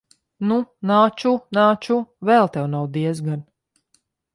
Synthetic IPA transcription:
nunaːt͡ʃunaːt͡ʃuvɛlˠt̪ɛwnawd̪iɛz̬ɡan

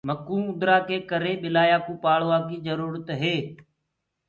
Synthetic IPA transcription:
məkːũːʊd̪ɾaːkeːkəɾeːɓɪlaːjaːkuːpaːɭoːaːkiːzəɾuːɾət̪ɦeː

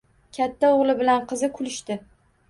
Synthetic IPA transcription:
kʲʰat̪ʰːaoʁlˠɪbɪlanqʰɨzɪkʰʊlɪʃt̪ɪ

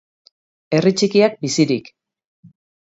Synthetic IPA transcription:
e̞rit͡ʃikiak̚bisiɾik

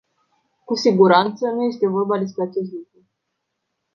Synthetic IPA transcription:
kusiɡuɾant̪sənuje̞st̪e̞vo̞rbad̪e̞s̬pɾeat͡ʃe̞s̬t̪lukɾu

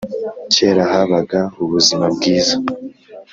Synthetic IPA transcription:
ceːɾahaβaɡauβuzimabɡiːza

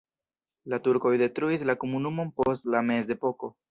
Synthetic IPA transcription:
latuɾko̞jde̞tɾuis̬lakomunumo̞npo̞stlame̞s̬e̞po̞ko̞

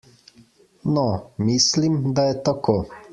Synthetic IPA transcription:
nɔmislimd̪ajɛt̪akʰoː

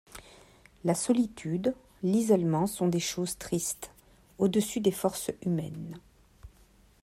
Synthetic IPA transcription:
lasɔlit̪ʰyd̪ | lizɔlmɑ̃sɔ̃d̪eʃozt̪χist̪ | od̪əsyd̪efɔʁsymɛ̰n

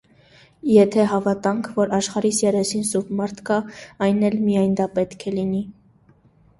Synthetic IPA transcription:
jɛt̪ʰɛɦɑvɑt̪ɑŋkʰvɔɾɑʃχɑɾisjɛɾɛsinsubmɑɾt̪ʰkɑɑjnɛlmijɑjnd̪ɑpɛt̪kʰɛlini

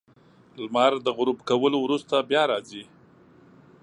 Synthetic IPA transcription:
lmaɾd̪əɣʊɾubkawəlowɾust̪abjɑɾɑzi

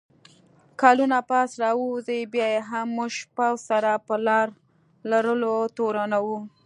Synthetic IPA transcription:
kɑlunapɑsɾɑwuzəbjɑjeɦamːuʒʃpawsaɾapəlɑɾ | laɾəlot̪oɾanawu

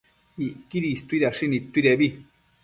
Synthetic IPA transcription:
iʔkiɾist̪uiɾaʂinĩt̪ːuiɾeβi

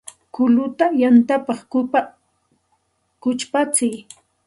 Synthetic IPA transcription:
kʊlʊt̪ajant̪apɑχ | kʊt͡ʃpat͡sɪj

